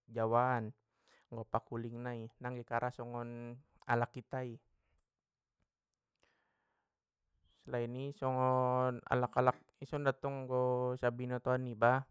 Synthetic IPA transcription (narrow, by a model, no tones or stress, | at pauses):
d͡ʒawaːn | ŋɡɔpakuliŋnainaŋɡɛkaɾʔasɔŋɔn | alakːit̪ai | slainisɔŋɔna̰lakalak̚isɔndat̪ɔŋɡɔsabinɔt̪ɔanːiba